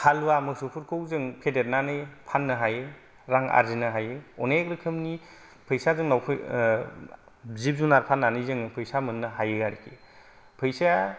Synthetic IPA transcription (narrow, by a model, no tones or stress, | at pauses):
hʰaluwamɯsupʰuɾkʰowzɯŋpʰedet̚nanɯjpʰanːɯɦaj | ɾaŋa̰ɾzinɯɦajɯɔnekɾɯkʰɯmni | pʰɯjsazɯŋnawpʰɯ | zip̚zunaɾpʰanːanɯjzɯŋɯpʰɯjsamɯnːɯɦajɯɡaɾikʰi | pʰɯjsa